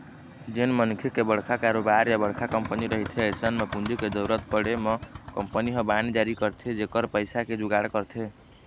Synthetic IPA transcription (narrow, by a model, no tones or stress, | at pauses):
d͡ʒenmənukʰekebəɽ̤kʰakaɾobaɾjabəɽ̤kʰakəmpəniɾəɦit̪ʰesənmepund͡ʒiked̪əɾət̪̚pəɽemɔkəmpəniɦə̃banid͡ʒaɾikəɾt̪ʰed͡ʒekəɾpəɪsaked͡ʒuɡaɽkəɾt̪ʰe